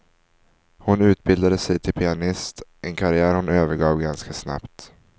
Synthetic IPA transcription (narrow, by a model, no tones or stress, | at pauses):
hʊnʉ̟ːt̪̚bɪld̪ad̪əsɛjt̪ʰɪlpʰɪanɪst̪ʔɛnkʰaɾɪæːɾhʊnøːvəɾɡɑːvɡanskasna̰pt̪